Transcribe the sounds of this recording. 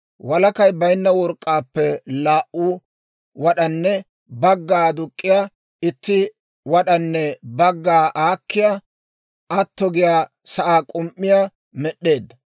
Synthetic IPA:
wɐlɐkɐjbɐjnːɐwɔɾkʼːaːpːɛlaːʔuː | wɐɗɐnːɛ | bɐɡːaːd̪ʊkʼːɪjaː | ɪt̪ːɪ | wɐɗɐnːɛbɐɡːaːʔaːkːɪjaː | ʔɐt̪ːɔɡɪjaː | sɐʔaːkʼʊmʔːɪjaː | mɛɗːe̞ːd̪ːɐ

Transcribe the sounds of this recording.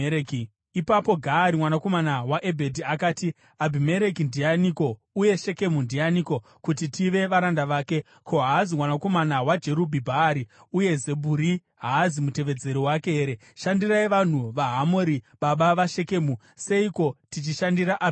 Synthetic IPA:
k | ipapo̞ɡʱaːɾimwanako̞manawaʔe̞bʱe̞diakaːti | abʱime̞ɾe̞kindijaniko̞ | uje̞ʃe̞ke̞mundijaniko̞ | kutitiʋe̞ʋaɾandaʋaːke̞ | kʰo̞ɦaːzimwanako̞manawad͡ʒe̞ɾubʱibʱaːɾi | uje̞ze̞bʱuɾi | ɦaːzimute̞ʋe̞d͡ze̞ɾiwakeɦeɾe | ʃandiraiʋan̤uʋaɦamoɾi | ɓaɓaʋaʃe̞ke̞ːmu | se̞iko̞tit͡ʃiʃandiɾaʔa

